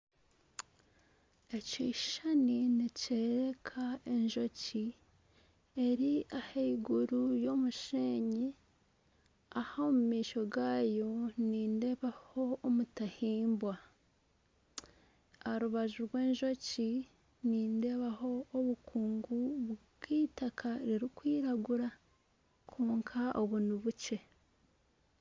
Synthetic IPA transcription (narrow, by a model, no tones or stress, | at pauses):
e̞ci̥ːʃaniniceːɾe̞kʰae̞ɲʒo̞ci | e̞ɾiaheiɡuɾujo̞ːmuʃeːɲi | ahaomumiːʃo̞ɡaːjo̞niːnde̞βaho̞ːmutahiːmbwa | aɾuβaʒuɾwe̞ːɲʒo̞ci | niːnde̞βaɦo̞ːβukʰuːŋɡuβɡwiːtakʰaɾiɾikwiːɾaɡuɾa | kʰuːŋkʰaʔoβunuβuce̞